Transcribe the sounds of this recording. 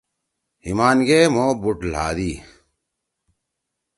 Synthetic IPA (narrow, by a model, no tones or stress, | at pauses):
himaːnɡeːmoːbuʈla̰ːd̪iː